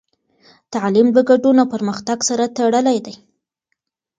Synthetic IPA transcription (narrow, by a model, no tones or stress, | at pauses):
t̪aʕlimd̪əɡaɖunawpəɾməxt̪aɡsaɾat̪aɽəlajd̪aj